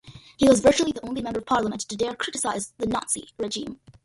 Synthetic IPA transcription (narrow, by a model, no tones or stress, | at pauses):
hiwʌzvɜ˞t͡ʃul̩ˠiðiõʊ̃nlimɛ̃mbə˞ʌv̥pʰɑɹləmə̃ntʰɨdɛɹkʰɹ̥ɪɾɨsaɪzðɨnɑtsḭɹɛʒĩm